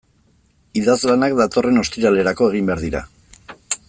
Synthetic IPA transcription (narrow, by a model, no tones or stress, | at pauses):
iðazlanakd̪at̪o̞re̞no̞st̪iɾale̞ɾako̞e̞ɣ̞imbe̞aɾðiɾa̰